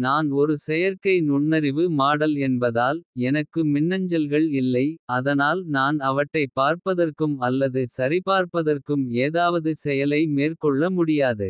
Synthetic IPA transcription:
naːnɔɾɯsɛjɐɾkɐɪnʊɳːɐɾɪʋɯmaːɽɐlɛnbɐðaːlɛnɐkːɯmɪnːɐɲd͡ʒɐlɣɐɭɪlːɐɪɐðɐnaːlnaːnɐʋɐʈːɐɪpːaːɾpɐðɐrkɯmɐlːɐðɯsɐɾɪpaːɾpɐðɐrkɯmeːðaːʋɐðɯsɛjɐlɐɪmeːrkɔɭːɐmʊɽɪjaːðɯ

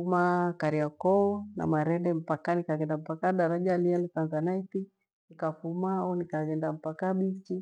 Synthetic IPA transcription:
umakaɾiakɔɔna̰maɾɛndɛm̩pakanikaɡɛndam̩pakaɗaɾad͡ʒalialit̪anzanaiti | nikafumaɔnikaɡɛndam̩pakaɓit͡ʃi

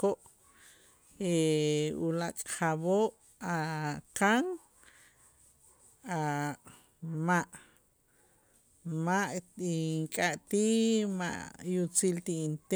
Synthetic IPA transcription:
koʔ | eulakʼχaβoʔ | akaŋ | a | maʔ | maʔiŋkʼaʔt̪ima̰ʔjut͡silt̪iint̪e

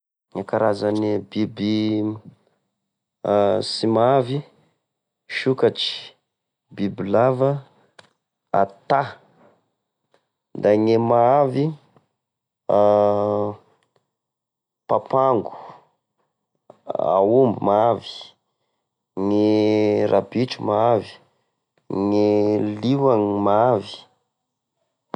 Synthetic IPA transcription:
ŋakaɾazanibibi | simaavi | ʃukaʈ͡ʂi̥ | bibilavə | a̰t̪a | d̪aŋemaavi | a | papaŋɡu̥ | a̰umbumaavi̥ | ŋerʔabiʈ͡ʂumaavi̥ | ŋeliwaŋimaavi̥

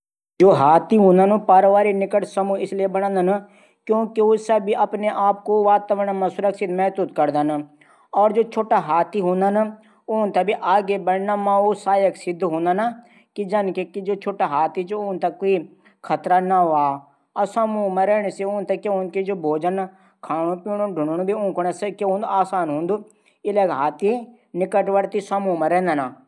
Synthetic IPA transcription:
d͡ʒoːɦaːt̪iːɦõːnd̪ənoːpaːɾʋaːɾinɪkəʈsəmũːɪsliebəɽ̃ãːnd̪əna | kjõːkiʊsəbiʔəpneːʔaːp̚koʋaːt̪əʋənaməsʊɾəksɪd̪mɛːt̪ut̪kəɾd̪ən | ɔːɾd͡ʒoːt͡ʃʰoːʈaːɦaːt̪iːɦõːnd̪ana | ʊnt̪əbiːʔaːɡeːbəɽnamãːoːsaːjəksɪd̪ɦõːnd̪anaː | kid͡ʒɐnkekid͡ʒoːt͡ʃʰoːʈaɦaːt̪it͡ʃoʊːnt̪ɐkoi | kʰɐt̪ɾanaɦaː | ɐsɐmuːmaɾɛːɳ̃seʊːnt̪ɐkːeʊnkid͡ʒoːbʱoːd͡ʒən | kʰaːɳ̃ũpiːɳ̃uɖʱʊɳunbʱiʊ̃ːŋkʊɳeskeɦũːnd̪uaːsaːnɦʊ̃ːnd̪u | ɪlekɦaːt̪i | nɪkəʈʋɐɽt̪isɐmuːmaɾɛ̃ːnd̪ana

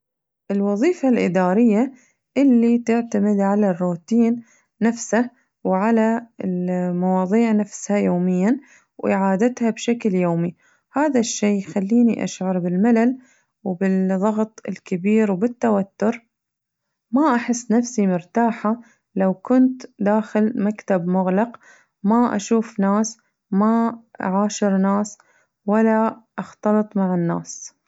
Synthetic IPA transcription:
ʔɪlwɑðˤiːfalʔɪd̪aːɾɪjːa | ʔɪlːit̪ɪʕt̪amɪd̪ʕalarːuːt̪iːnː | afsa | wʕalaɪlmɑwɑːðˤiːʕnafshajoːmɪjːan | wʔɪ̰ʕaːd̪at̪habʃakljoːmi | haːðaʃːeːxalːiːniʔa̰ʃʕɑɾˤbɪlmalal | wbɪðˤɑɣt̪ˤɪ̰lkabiːɾwbɪt̪ːawat̪ːʊɾ | maʔaħɪsːnafsimʊɾt̪aːħa | lawkʊnt̪d̪aːxɪlmakt̪abmʊɣlɑq | maʔa̰ʃuːfnaːs | maa̰ʕaːʃɪɾnaːs | walːaʔɑxt̪ɑlɨt̪ˤmaʕɪnːa̰ːs

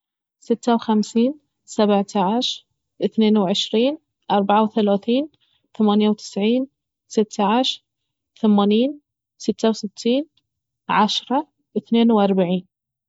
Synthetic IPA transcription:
sɪt̪ːawxamsiːn | sabʕt̪ʰaʕɪʃ | ʔɪθneːnwʕɪʃɾiːn | ʔɑɾˤbaʕawθalaːθiːn | θamaːnjawt̪ʰɪ̥sʕiːn | sɪt̪ːaʕɪʃɾ | θamaːniːn | sɪt̪ːawsɪt̪ʰːiːn | ʕaʃɾˤɑ | ʔɪθneːnwʔɑɾˤbaʕiːn

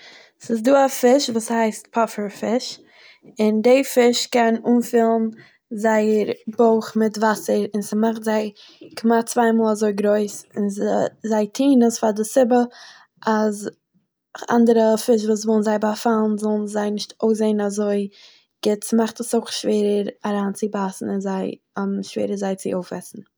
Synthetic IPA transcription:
sɪsduːafɪʃvuːshaɪstpʰɔfəɾfɪʃ | ɪndeɪfɪʃkɛnuːnfiːlˠn̩ | zaɪəɾboʊχmɪtvasəɾɪnsimaχtzaɪ | kʰmat͡svaɪmɔːlˠazoɪɡɾoɪsɪnzzaɪtʰiːnəsfadɪsɪbə | ʔaz | a̰ndəɾəfɪʃ̬vuːs̬vɔlˠnzaɪbafalˠnzɔlˠn̩zaɪnɪʃtoʊs̬zeɪn̩azoɪ | ɡ̥ɪtsmaχtəsoʊχʃveːɾəɾaɾaːnt͡sɪbasn̩ɪnzaɪ | aʃvḛːɾəzaɪt͡sɪoʊfɛ̰sn̩

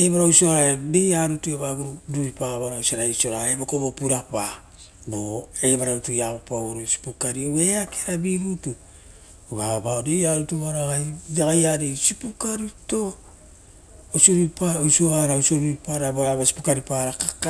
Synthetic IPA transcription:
eβaɾawsoɾaede̞jaɾutueβaɡuɾuduɾipaβaɾausaɾaiso̞ɾaebokobopuɾapa | boe̞βaɾautujaβapawɾosi̥pukaɾioe̞akʰeɾabiɡutu | βabaodejaɾutuβaɾaɡajdaɡajaɾesipukaɾito̞ | osioɾipaosoaɾaosoɾuɾipaɾaboaβasi̥pukaɾipaɾakḁka

